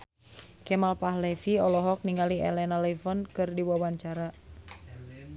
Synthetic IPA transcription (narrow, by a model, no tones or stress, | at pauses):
kɛmalpaɦlɛfiɔlɔɦɔk̚niŋɡaliɛ̰lɛnalɛfɔnkɨrdiwawaɲt͡ʃaɾa